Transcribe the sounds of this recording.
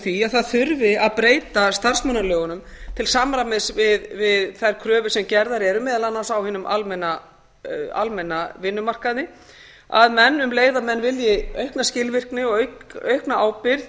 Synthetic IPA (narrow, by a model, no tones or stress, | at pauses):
θiaðθaðθʏɾvɪaðpɾeːjt̪ast̪ar̥smœnːalœːɣʏnʏmt̪ʰɪlsamɾamɪsvɪðvɪðθajɾkʰɾœːvʏsɛmcɛɾðaɾɛɾʏmɛːðalanːansawhɪnʏmʔalmɛnːa | a̰lmɛnːavɪnːʏmar̥kaðnɪ | a̰ðmɛnːʏmleːjðamɛnːvɪljɪœɥhknascɪlvɪr̥knɪɔɣœɥhknaʔaːwpɪɾð